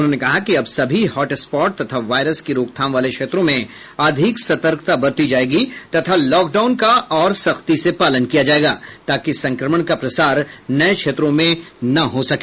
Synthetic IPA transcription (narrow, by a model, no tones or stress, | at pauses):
ʊnɦõnekɐɦakiɐbsɐbʱihɔːʈespɔːʈ̚t̪ɐt̪ʰaʋaːɾəskiɾoːkt̪ʰaːmʋaːlekʃʰeːt̪ɾõmẽ | aːd̪ʱɪksɐt̪əɾkt̪abɐɾt̪id͡ʒaːeːɡit̪ɐt̪ʰalɔːk̚ɖaːʊnkaɔːɾsɐxt̪isepaːlənkijad͡ʒaːeːɡaːt̪aːkisɐ̃ŋkɾəməɽ̃kapɾɐsaːɾnɐekʃʰeːt̪ɾõmẽnɐɦosɐkeː